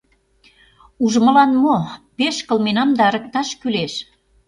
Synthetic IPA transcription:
uʒmə̆lɑnmopeʃkə̆lmenɑmd̪ɑəɾə̆k̚t̪ɑʃkyleʃ

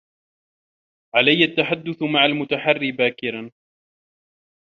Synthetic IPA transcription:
ʕalajːat̪ːaħad̪ːʊθmaʕalmʊt̪aħarːɪbaːkɪɾan

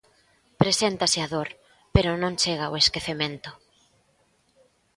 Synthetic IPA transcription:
pɾesent̪asɪaðoɾ | peɾʊnõŋt͡ʃeɣ̞aoeskeθemẽnt̪ʊ̥

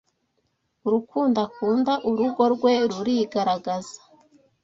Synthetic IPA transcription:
uɾukuːndakuːndaʔuɾuɡo̞ɾɡwe̞ɾuɾiɡaɾaɡazḁ

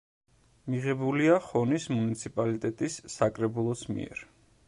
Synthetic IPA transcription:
miʁɛbuliaχɔnismunit̪sʰipʼalit̪ʼɛt̪ʼisːakʼɾɛbulˠɔsmḭɛ̰ɾ

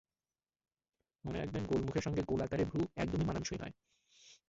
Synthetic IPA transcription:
moneɾa̰kʰbenɡolmukʰeɾʃɔŋɡeɡolakaɾebʱuɛ̰kd̪omimananʃoinɔ̰e

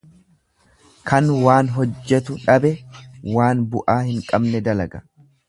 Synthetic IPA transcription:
kʰɐnwaːnɦɔd͡ʒːɛt̪ʊᶑɐbɛwaːnbʊʔaːhɪŋkʼɐbnɛd̪ɐlɐɡɐ

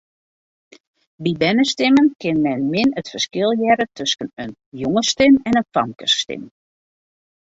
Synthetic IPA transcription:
bibɛnəstɪmənkɪnmɛnmɪnətfərskɪlˠjɛɾətʰɵskənənjoŋəstɪmɛnənfɑŋkərsstɪ̰m

